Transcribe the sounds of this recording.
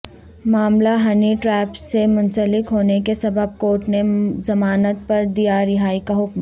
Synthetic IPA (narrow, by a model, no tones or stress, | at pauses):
maːmlaɦɐniʈɾɛːpsemʊ̃nsəlɪkɦoːnekesɐbʱəb̚koːʈnezɐmaːnət̪̚pɐɾd̪ijaɾɪɦaːikaɦʊkm